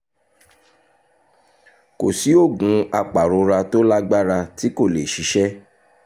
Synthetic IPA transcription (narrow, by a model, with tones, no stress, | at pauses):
ko˨si˨˦o˦˨ɡũ˨˦a˧˨k͡pa˨ɾo˨˧˦ɾa˧to˦la˦ɡ͡ba˦ɾa˧ti˨˦ko˦˨le˨ʃi˨˦ʃɛ˦